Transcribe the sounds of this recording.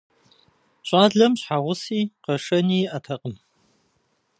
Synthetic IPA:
ɕʼaːɮɐmɕħaʁʷʊsiːqɐʂɐniːʔɐtʰɐqʼəm

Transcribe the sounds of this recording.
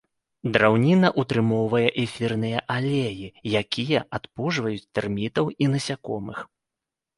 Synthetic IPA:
d̪ɾawnʲinɐʔut̪ɾɨmɔwvɐjɛʔɛfʲirnɨjɐʔalʲejijakʲʰijɐʔat̪puʐvɐjut͡sʲt̪ɛrmʲit̪ɐwinɐsʲakɔmɨx

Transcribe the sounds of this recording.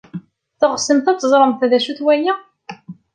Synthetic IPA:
θəʁsəmθæt͡sːəzˤɾˤəmθæðæʃuθwæjæ

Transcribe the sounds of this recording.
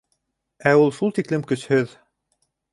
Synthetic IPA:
æulˠʃulˠt̪iklɘmkɵ̆shɵð

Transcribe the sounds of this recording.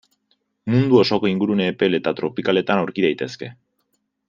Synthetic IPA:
mund̪uo̞so̞ko̞iŋɡuɾuneːpe̞le̞t̪at̪ɾo̞pikale̞t̪anawɾkiðajt̪e̞ske̞

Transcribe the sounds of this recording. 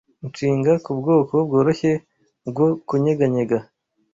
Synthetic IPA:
t͡ʃiːŋɡakubɡo̞ːkobɡo̞ːɾo̞çe̞ | bɡokuɲeɡaɲe̞ɡa

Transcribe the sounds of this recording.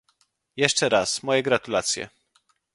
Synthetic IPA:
jɛʂt͡ʂɛɾasmɔjɛɡɾat̪ulat̪sʲjɛ̰

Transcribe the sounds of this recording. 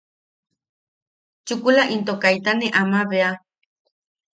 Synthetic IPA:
t͡ʃukulaʔint̪okajt̪aneʔamaβea

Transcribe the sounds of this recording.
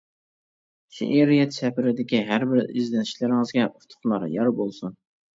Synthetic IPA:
ʃḭʔeɾijɛt̪t͡ʃʰɛpɪɾɪd̪ɪkʲiɦæɾbɪɾɪ̰zlɛniʃlɪɾɪŋɨzɡʲɛʔut̪ʰʊ̥χlˠɑɾjɑɾbolˠsun

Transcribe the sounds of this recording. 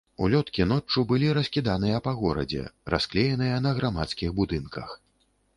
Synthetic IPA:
ṵlʲɔt̪kʲinɔt͡ʂːubɨlʲiɾɐsʲkʲid̪anɨjɐpaɣɔɾɐ̰d͡zʲɛ̰ra̰sklʲejɛnɨjɐnɐɣɾamat̪skʲiɣbud̪ɨnkɐ̰x

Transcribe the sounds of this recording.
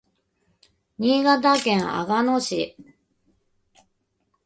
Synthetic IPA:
ɲ̟iːɡat̪akẽɰ̃a̰ɡanoɕi

